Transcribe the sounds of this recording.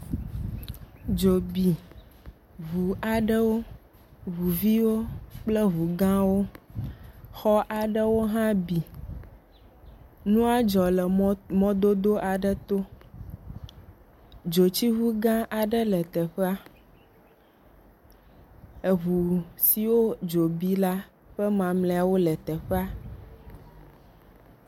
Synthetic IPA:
d͡ʒo˨bi˨ | βu˨a˨ɖə˦wo˦ | ɦu˨vi˦wo˦k͡plə˦βu˨ɡã˦wo˦ | xɔ˦ʔa˨ɖə˦wo˦ɦã˦bi˨ | nũ˦a˦d͡ʒɔ˨lə˨mɔ̃˦d̪o˦d̪o˦ʔa˨ɖə˦t̪o˦ | d͡ʒo˨t͡ɕi˦ɦu˦ɡã˦ʔa˨ɖə˦lɛ˨t̪ɛ˨ɸɛ˦a˦ | ə˨ɦu˨si˨wo˦d͡ʒo˨bi˦la˦ | ɸɛ˦mã˨mlɛ̃˨a˨wo˦lɛ˨t̪ɛ˨ɸɛ˦a˦

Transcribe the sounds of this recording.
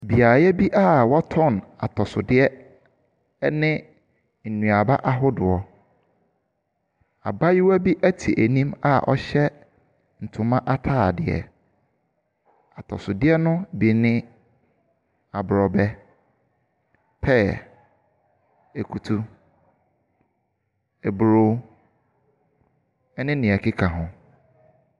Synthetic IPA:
bi˨a˨jɛ˦bi˦ʔa˦wɔ˦tʰɔ̃˦˨na˨tʰɔ˨sʊ˨dɪ˦ɛ˦ | nɪ̃˦ | n̩˨nũ˨a˨ba˦ʔa˦ɦʊ˦dʊ˨ɔ˨ | a̰˨ba˦ji˦wæ˦bi˦ʔæ˦tʰi˨ʔæ˨nĩ˦ma˦ʔɔ̰˦ɕɛ˦ | n̩˨tʰʊ̃˨mã˦ʔa˦tʰaː˦˨dɪ˨ɛ̰˨ | a˨tʰɔ̰˨sʊ˨dɪ˦ɛ˦nʊ̃˦bi˨nɪ̃˦ | a˨bɾɔ˨bɛ˦ | pʰɛː˦˨ | e˨kʰu˨tʰu˦ | e˨bɾo˦ | ɛ˦nɪ̃˦nɪ̃˨ɛ˨kʰɪ˦kʰã˨ɦʊ̃˨

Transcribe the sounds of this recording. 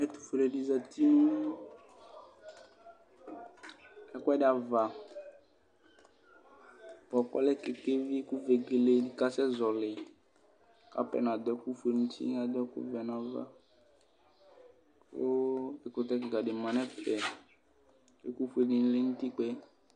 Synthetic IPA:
ɛ˦t̪u̥˨fe˨ɾe˨di˨za˨t̪i˦mu˦ | ɛ˦kʷɛ˦dɪ˦˨a˨va˨ | pɔ˨kɔ̰˦lɛ˦ke˨ke˦vi˦ku˦ve˨ɡe˨le˨di˨ka˦sɛ˦zɔ˨lɪ˨ | ka̰˦pɛ̰˨n˨a˨d̪ɔ˦ku˦fu˨e˨nũ˦t̪ḭ˦a˨d̪ɔ˦kṵ˦vɛ˨n˨a˨va̰˦ | so˦e˨ko˨t̪ɛ˦k̬e˨ka˨ɖɪ˨mã˨nɛ˦fɛ˨ | e˦ku˦fu˦e˨ɡe˨n˦le˦nũ˦t̪i˦k͡pɛ˦

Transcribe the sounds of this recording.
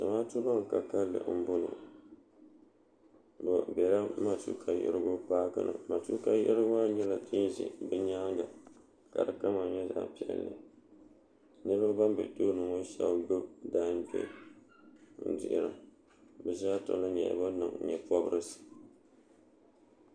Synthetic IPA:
ta˨maː˦tu˦ba˦ŋ˨ka˨ka˦lːɨ̰˨m̩˦bo˦nɨ̰˨ | bo˨bɛ˨ɾa˦ma˦tṵ˦kʰa˨jɪ̰˦ɪ̰˦ɾɨ˦ɡo˦paː˦ka̰˦nʔɨ̰˨ma˨tu˦ka˨jɪ˦ʔɪ˦ɾɨ˦ɡa˦ɲɛ˦la˨tʰɨ˦zḭ˨bɨ˦ɲa˦ŋɡa˨ | ka˨ɾɨ˨ka˦ma˨ɲɛ˦za̰ː˨pi˦ɛ̰˨lːɨ̰˨ | nɨ˦ɾɨ˦ɡa˦ba˦mbɨ̰˨to˦nɨ˨ŋo˦ʃa̰˦bɡo˦daː˦n˦bɛ̰˦ | n̩˦dɪ̰˨ʔɪ˨ɾɨ̰˨ | bɨ˨zaː˦to̰˨lɨ˦ɲɛ̰˨ba˦nɨ˨ŋ˨ɲɛ˨pɔ˦bɨ˦ɾɨ˦sɨ̥˨

